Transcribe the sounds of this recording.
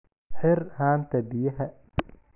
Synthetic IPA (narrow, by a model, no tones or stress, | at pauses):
ħɪrhaːnt̪ʰɐbɪjɐɦɐ